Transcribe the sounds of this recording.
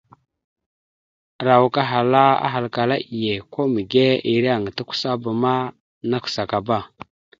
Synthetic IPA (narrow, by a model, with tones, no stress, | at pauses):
ɾa˨wka˦ɦa˨la˦a̰˦ɦa˨lka˨la˦ʔi˨je˨ko˦mə˨ɡe˦i˨ɾa˦˨ŋ˨ta˦kʷu̥˦sa˦ba˨ma˦ | na˦ksa˨ka˨ba˦˨